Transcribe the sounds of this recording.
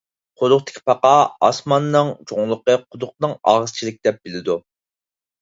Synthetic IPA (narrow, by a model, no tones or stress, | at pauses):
qʰolˠʊχt̪ʰɪ̥kʲʰi̥pʰɑqɑɑsmɑnːɨŋt͡ʃʰoŋlˠəqəqʰʊd̪ʊq̚nɨŋɑ̰ʁəz̥t͡ʃʰilɪk̚ʲd̪ɛp̚b̥ɪlɪd̪u